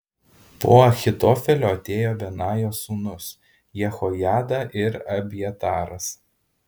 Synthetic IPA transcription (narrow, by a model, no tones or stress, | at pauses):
po̰ːɐxʲɪt̪ɔːfʲɛlʲoːɐt̪ʲeːjoːʋʲɛnɑːjoːsuːnʊs | jɛxɔjæːd̪ɐʔɪɾɐbʲjɛt̪ɑːɾɐs